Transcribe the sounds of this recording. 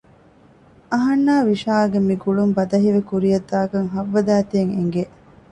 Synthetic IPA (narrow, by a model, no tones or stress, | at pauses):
ɐɦɐnːaːʋiʃaːɐɡemiɡuɭumbɐd̪ɐɦiʋekuɾijɐd̪ːaːkɐŋɦɐʋːɐd̪æːt̪eːŋeŋɡe